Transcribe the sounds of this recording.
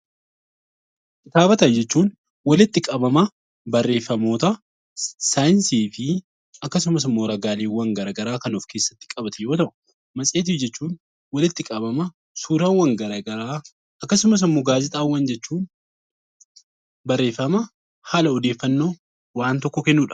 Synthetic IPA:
kɪt̪aːbɐt̪ɐnd͡ʒɛt͡ʃːuːn | wɐlɪt̪ːɪkʼɐbɐmɐ | bɐrːe̞ːfːɐmo̞ːt̪ɐ | saːjɪnsiːfɪ | ɐkːɐsʊmɐs̬ɪmːo̞ːɾɐɡaːleːwːɐŋɡɐɾɐɡɐɾaːkɐnufkʰe̞ːsːɐt̪ːɪ̥kʼɐbɐt̪ʰɛjo̞ːt̪ɐʔʊ̥ | mɐsʼe̞ːt̪ɪfd͡ʒɛt͡ʃːuːn | wɐlɪt̪ːɪkʼɐbɐmɐ | suːɾɐwɐŋɡɐɾɐɡɐɾaː | ɐkːɐsʊmɐs̬ɪmːoːɡaːzɪt̪ʼaːwːɐnd͡ʒɛt͡ʃːuːn | bɐrːe̞ːfːɐmɐ | haːlɐɔd̪e̞ːfːɐnːo̞ː | waːnt̪ɔkːɔkɛnːuːᶑɐ̥

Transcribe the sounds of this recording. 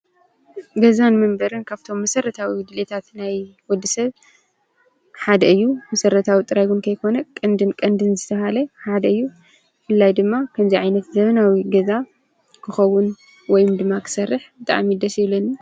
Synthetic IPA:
ɡɐzanmɨmbɐɾɨnkʰaβt̪ʰo̞mːɐsɐɾɐt̪ʰawid̪ɨlet̪ʰat̪najwɔd̪ːɨsɐβ | ħad̪ɐɨjːumɐsɐɾɐt̪ʰawit̪ʼɨɾajɡunkʰɐjkʰo̞nɐkʼɨnd̪ɨnkʼɐnd̪ɨnzɨt̪ʰɐhalɐħad̪ɐɨjːu | fɨlːajd̪ɨmːakʰɐmziʕajnɐt̪zɐβɐnawiɡɐza | kʰɨxɐwun | wɔjmd̪ɨmːakʰɨ̥sɐrːɨħbɨt̪ʼa̰ʕmid̪ɐsɛlɐn

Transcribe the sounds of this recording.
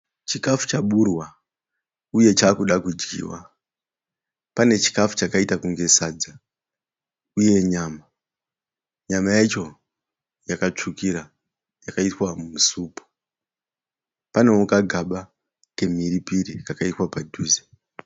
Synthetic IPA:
t͡ʃikafu̥t͡ʃaɓurwa | uje̞t͡ʃaːkuɗakud͡ʒɡḭwa̰ | pane̞t͡ʃi̥kafu̥t͡ʃakaitakuŋɡe̞sad͡za | uje̞ɲaːma | ɲamajat͡ʃo̞ | jakat͡ʂukiɾa | jakaitwamumusuːpu̥ | pane̞wokaɡʱaɓa | ke̞m̤iɾipiɾikakaitwapadʱuːze

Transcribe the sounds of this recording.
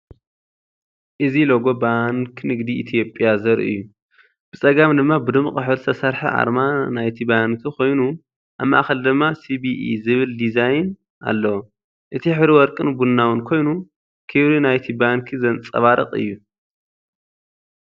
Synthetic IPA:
ʔɨziloɡo̞baŋkʰnɨɡd̪iʔit̪ʰijo̞pʼjazɐɾʔɨ̰jːu | b̥ɨt͡sʼɐɡamd̪ɨmːabɨd̪ɨmχʼɨħɨɾsʰɐsɐɾħiʔa̰ɾmanajt̪ʰibankʰikʰo̞jnu | ʔaβmːa̰ʔaxɐld̪ɨmːasibiʔḭzɨβɨld̪izajn | ʔa̰lːɐwo | ʔɨt̪ʰiħβɾiwɔɾkʼɨnbunːawɨnkʰo̞jnu | kʰɨβɾinajt̪ʰibankʰizɐnt͡sʼɐ̰βaɾɐ̰qʼɨ̰jːu

